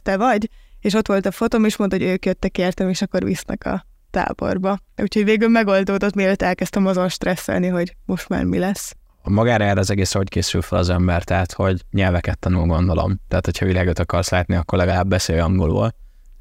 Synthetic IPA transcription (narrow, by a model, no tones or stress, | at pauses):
t̪ɛvɒɟeːʃo̞t̪ʋo̞lt̪ɒfo̞t̪oːmeːʃmont̪hoɟøːkjøt̪ːɛkeːrt̪ɛmeːʃɒkːo̞rʋḭsnɛ̰kɒ̰ | t̪a̰ːbo̞̰rbɒuːcʰhoɟveːɡylmɛɡo̞ld̪oːd̪o̞t̪meːløt̪ːɛlkɛst̪ɛmɒzo̞nʃt̪rɛsːɛ̰lniɦo̞ɟmo̞ʃt̪ma̰ːrmilɛsː | mɒɡaːɾɛːɾɛːzɛɡeːsɛhockeːsylfɛlɒzɛmbɛrt̪ɛɦat̪ho̞ɟɲɛlvɛkɛt̪ːɒnulɡo̞nd̪olo̰mt̪ɛːt̪hocʰhɒvilaːɡøt̪ɒkɒrslaːt̪niɒkːorlɛɡɒlaːbːɛseːjɒŋɡolṵːl